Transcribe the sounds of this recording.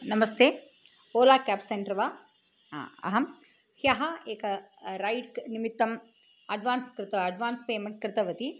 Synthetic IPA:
nɐmɐst̪eː | oːlaːkaːpseɳɖɾɐʋa̰ | ɐ̰ɦɐm | hjɐɦɐeːkɐɾɐjɖknimit̪ːɐm | ɐɖʋaːnskɾɪt̪ɐɐɖʋaːnspeːmeɳʈ̚kɾɪt̪ɐʋɐt̪i

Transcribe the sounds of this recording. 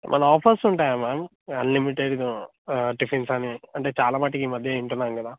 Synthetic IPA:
mʔɐ̰nɐ̃aːpʰɐsuɳʈaːjamaːm | ɐnlimiʈeːɖid̪u | ʈipʰinsaːniɐɳʈeːt͡ʃaːlaːmaːʈ̬ːikiːmɐd̪ʱjeiɳʈunːaːŋɡɐd̪aː

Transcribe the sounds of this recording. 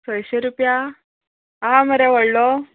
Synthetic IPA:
sʋəjɕeɾupja | ɦãməɾɛʋəɽlo

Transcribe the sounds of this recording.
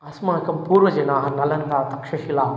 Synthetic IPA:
ɐsmãːkɐmpuːɾʋɐd͡ʒɐnaːɦɐnɐlɐnt̪aːt̪ɐkʃɐʃilaː

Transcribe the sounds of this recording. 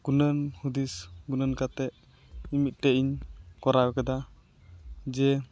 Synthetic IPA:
ɡ̥unənhud̪isɡunənkat̪ɛʔ | imit̪̚ˀʈɛʔiɲkɔɾawɛkad̪a | d͡ʒɛ

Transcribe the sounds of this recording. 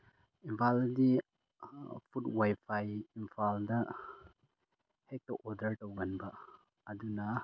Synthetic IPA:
impʰaldi | pʰutwajpʰajimpʰaldɐ | hek̚tɐʔɔɾdɐɾtowɡanbɐː | dunɐ

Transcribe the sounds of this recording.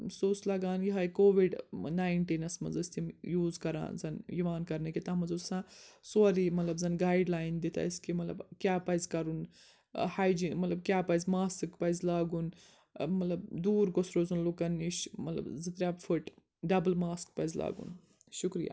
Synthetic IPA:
soːslɐɡaːnjiɦaːjkoːʋiɖnaːiɳʈiːnɐsmɐ̰nzɐsʲt̪imjuːzkɐɾã̰ːnzɐnjiʋaːnkɐɾnɐkʲit̪aːmɐzusãːsoɾimɐt̪lɐbzɐnɡaːiɖlaːind̪it̪ʰa̰iskimɐt̪lɐ̰bkʲjaːpɐzkɐɾun | haːjd͡ʒimɐt̪lɐb̚kʲjaːpɐjzʲmaːsɨkpɐjzlaːɡun | mɐt̪lɐbd̪uːɾɡosɾoːzɐnlukɐniʃmɐt̪lɐ̰bzɨt̪ɾʲaːbfʰɨʈ | ɖɐbɨlmaːsk̚pɐzʲla̰ːɡṵn | ʃukɾija̰ː

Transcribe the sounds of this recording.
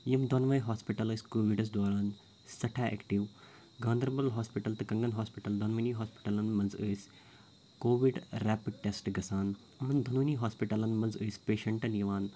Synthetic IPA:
jimd̪onʋɐjɦaːspiʈɐləːsʲkoːʋiɖɐs̬d̪aːɾaːn | sɐʈʰaːḛːkʈiʋ | ɡãːnd̪ɐɾbɐlɦaːspiʈɐlt̪ɨkɐ̃ŋɡɐnɦaːspiʈɐld̪ɐnʋɐniːɦaːspi̥ʈɐlɐnmɐnzəːs | koːʋiɖɾɛːpiɖ̚ʈesʈɡɐsaːn | ɐmɐnd̪ʱɐnuːniːɦaːspiʈɐlɐnmɐnzəːsʲpeːʃɐɳʈɐnjɐʋaːn

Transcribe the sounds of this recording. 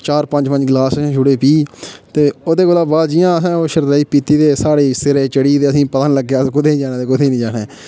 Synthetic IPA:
t͡ʃaːɾpə̃ɲd͡ʒpə̃ɲd͡ʒɡlaːsːd͡ʒʊɽeːpiːt̪eːoːd̪eːkʊlaːbaːd͡ʒiːãːɦɛ̃ːoːʃəɾd̪aːiːpiːt̪iːd̪eːsaːɽeːsɪɾeːt͡ʃəɽiːt̪eːəsĩːpət̪ənləɡːekʊd̪eːnĩːd͡ʒaːnaːt̪eːkʊd̪eːnĩːd͡ʒaːneː

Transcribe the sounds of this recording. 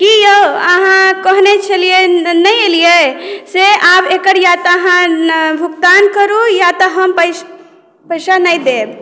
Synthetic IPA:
kijəəɦãkəɦnet͡ʃʰəlijenəjelijeseabekəɾjat̪ːɦãbʱukt̪ankəɾujat̪əɦəmpə | pəɪsanəjd̪eb

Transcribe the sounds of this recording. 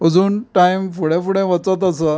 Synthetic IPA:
əd͡zuːnʈajmfuɽẽfuɽẽʋət͡sət̪əsə

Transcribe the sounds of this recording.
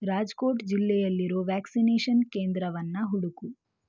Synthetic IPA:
ɾaːd͡ʒkoːʈd͡ʒilːɛjɐlːiɾoːʋaːksineːʂɐnkeːnd̪ɾɐʋɐnːɐɦuɽuku

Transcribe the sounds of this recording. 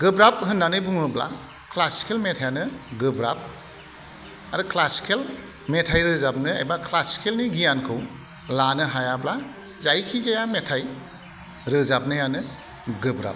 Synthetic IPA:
ɡɯbɾap̚ɦɯnːanɯbuŋɯbla̰ | kʰlasi̥kʰelmetʰajanɯɡɯbɾap̚ | aɾɯkʰlasi̥kʰel | metʰajɾɯzap̚nɯa̰jbakʰlasi̥kʰelniɡijankʰɯw | lanɯɦajabla | zajkʰizajametʰaj | ɾɯzab̚nɯjanɯ | ɡɯbɾa̰p̚

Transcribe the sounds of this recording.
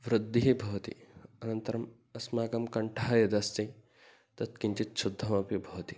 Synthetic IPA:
ʋɾɨd̪ʱːiɦibʱɐʋt̪ḭɐnɐnt̪ɐɾɐm | ɐsmaːɡɐmkɐɳʈʰaɦɐjɐd̪ɐst̪i | t̪ɐt̪kiɲt͡ʃit̪̚t͡ʃʰud̪ʱːɐmɐpibʱɐʋɐt̪i

